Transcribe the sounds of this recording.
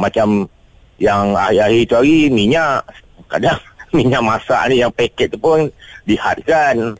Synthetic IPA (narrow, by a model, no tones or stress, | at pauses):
mat͡ʃam | jaŋa̰iaɦit̪uaɣimiɲaʔ | ka̰daŋmiɲaʔmasa̰ʔnijaŋpekɛʔ̚t̪upʊnliha̰t̪̚kan